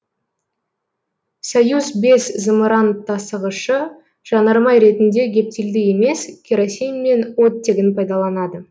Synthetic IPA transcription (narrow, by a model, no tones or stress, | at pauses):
sojuzbe̞szəmɾɑnt̪ʰːɑsəʁəʃə | ʒ̥ɑnɑɾmɑjɾe̞t̪ɪnd̪e̞ɡʲe̞p̚t̪eld̪ɪje̞me̞skʲʰeɾosʲijmːe̞nwot̪ːeɡʲɪnpʰɑjd̪ɑlˠɑnɑd̪ə